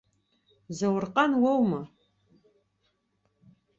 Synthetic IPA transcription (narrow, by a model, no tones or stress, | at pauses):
zɐwrqʼanwɐwmɨ